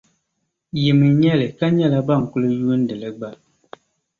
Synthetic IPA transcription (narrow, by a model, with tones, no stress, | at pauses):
ji˨mi˨ɲɛ˦˨le˨ka˦ɲɛ˦˨la˦ba˦˨ŋ̩˨ku˦lə˦ju˦n̩˦də˨lə˦ɡ͡ba˦˨l